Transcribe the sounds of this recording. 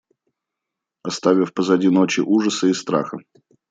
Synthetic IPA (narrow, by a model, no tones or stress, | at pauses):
ɐst̪avʲɪfpəzɐdʲinot͡ɕɪʔuʐəsəɪst̪ɾa̰xə